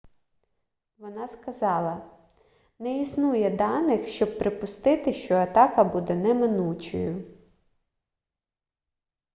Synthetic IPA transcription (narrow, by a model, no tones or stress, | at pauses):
ʋɔnɑskɐzɑlˠɐ | nɛisnujɛd̪ɑnɪxʃt͡ʃɔb̚pɾʔɪpʊst̪ɪt̪ɪʃt͡ʃɔɐt̪ɑkɐbud̪ɛnɛmɪnut͡ʃɔ̰jʊ